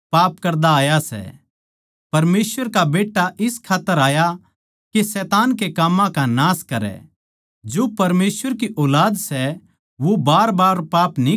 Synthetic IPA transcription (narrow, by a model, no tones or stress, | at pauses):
paːpkɐɾd̪aaːjasɛ̰ | pɐɾmeːsʋəɾkabeːʈːaʔɪskʰaːt̪ːəɾaːja | kesɛːt̪aːnkekaːmːãkanaːskɐɾɛ̰ | d͡ʒopɐɾmeːsʋəɾkiʔɔːlaːd̪sɛ | ʋobaːɾbaːɾpaːpni